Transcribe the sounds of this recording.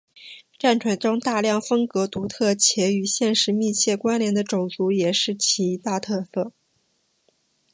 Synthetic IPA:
ʈ͡ʂa˥˩nʈ͡ʂʰwa˧˥nʈ͡ʂʊ˥ŋt̪a˥˧ljɑ˥˩ŋfɤ˥ŋkɤ˧˥t̪u˧˥t̪ʰɤ˥˩t͡ɕʰjɛ˧˥y˨˩ɕjɛ˥˩nʂɻ̩˧˥mi˥˧t͡ɕʰjɛ˥˩kwa˥nljɛ˧˥nd̪ə˧ʈ͡ʂʊ˨˩ŋt͡su˧˥jɛ˨˩ʂɻ̩˥˩t͡ɕʰi˧˥˧t̪a˥˧t̪ʰɤ˥˧fə˥˩˦

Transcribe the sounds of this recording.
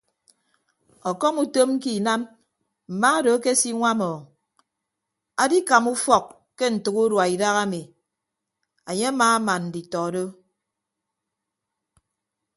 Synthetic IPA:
ɔ˨kɔ˦mu˦to˦m̩˦ki˦˨na˦m | m̩˨maː˦do˨˦ke˦si˦ŋʷa˦mɔː˨ | a˨di˦ka˨mu˦fɔ˨k | ke˦n̩˨tɨ˨ku˦ɾwa˨i˨da˦ɣa˦mi˨ | a˨ɲe˦a˦maː˨a˦ma˨nn̩˨di˨tɔ˨do˦

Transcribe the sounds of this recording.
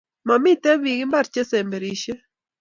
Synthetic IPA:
ma˨mi˦t̪ɛ˦βi˨ɣi˦mba˦ɾt͡ʃe˦se˨mbe˨ɾi˨ʃe˦

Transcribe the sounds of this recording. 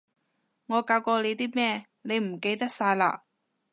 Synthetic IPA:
ŋɔː˨˧kaː˧wkɔː˧le˨˧jt̪iː˥mɛː˥˧ | ne˨˧jm̩˨˩ke˧jt̪ɐ˥k̚saː˧jla̰ː˧

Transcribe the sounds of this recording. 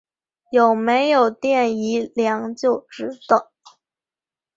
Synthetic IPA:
jo˨˩ʊme˧˥ɪjo˨˩ʊt̪jɛ˥˩ni˧˥ljɑ˧˥ŋt͡ɕjo˥˩ʊʈ͡ʂɻ̩˧˥t̪ə˨˩˦ŋ

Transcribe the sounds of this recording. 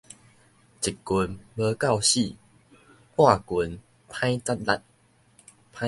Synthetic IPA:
t͡ɕi˨˩kːu˧nbə˧ka˥˨wɕi˥˨ | hwã˥˨ku˨˦n | pʰã˦jt͡sa˦t̚la˧˩t̚ | pʰã˦

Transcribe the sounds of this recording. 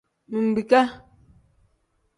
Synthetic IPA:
mi˨m̩˨bi˨ka˦

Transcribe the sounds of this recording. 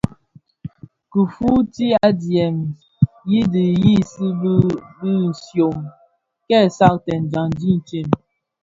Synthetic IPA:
ku˨fu˦ti˦a˦djɛ˨m | ji˦di˨ji˦si˦bbi˦n̩˨sjo˨ŋ | kɛ˦˨sa˦˨tɛ˨n˨d͡ʒa˨n˨di˦n̩˨t͡ʃe˦˨m

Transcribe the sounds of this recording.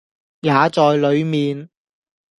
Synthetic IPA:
jaː˨˧t͡sɔː˨jlɵ˨˧ɥmiː˨n

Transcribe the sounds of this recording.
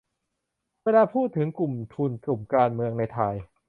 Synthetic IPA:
weː˧laː˧pʰuː˥˩t̪ʰːɯ˩˦ŋklu˨˩mt̪ʰu˧nklu˨˩mkaː˧nmɯ˧əŋna˧jt̪ʰa˧j

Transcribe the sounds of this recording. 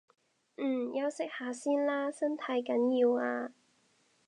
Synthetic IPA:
ʔ̩˨˩jɐ˥wsɪ˥k̚haː˨˥siː˥nlaː˥sɐ˥nt̪ʰɐ˨˥jkɐ˨˥njiː˧waː˧

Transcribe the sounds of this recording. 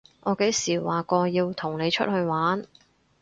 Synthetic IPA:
ʔɔː˨˧ke˨˥jsiː˨˩waː˨kɔː˧jiː˧wt̪ʰʊ˨˩ŋne˨˧jt͡ʃʰɵ̰˥t̚hɵ˧ɥwaː˨˥n

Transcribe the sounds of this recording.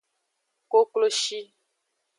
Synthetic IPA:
ko˦klo˦ʃi˦

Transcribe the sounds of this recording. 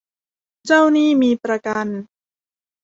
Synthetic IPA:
t͡ɕa˥˩wniː˥˩miː˧pɾa˧ka˧n

